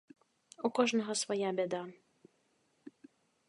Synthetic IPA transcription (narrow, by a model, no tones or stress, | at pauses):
ɔkɔʒnɔɦɔsʋɔjabʲɛd̪a